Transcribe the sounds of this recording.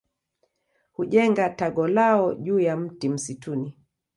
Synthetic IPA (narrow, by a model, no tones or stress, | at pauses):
huʄɛŋɡataɡɔlaɔʄuːjam̩tim̩situni